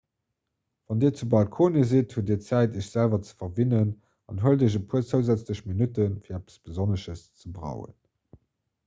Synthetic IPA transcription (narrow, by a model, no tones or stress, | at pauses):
vɑndiːɐt͡subɑlkʰoːnəzithuədiːɐt͡sæɪtəʃz̥ælvɐt͡sə̥fɐvinən | ɑnɦuəldəʑəpʰuət͡səʊzæt͡sləɕminutənfiːɐæpə̥sb̥əzonəʃəst͡səbʁɑ̰ʊxə̰n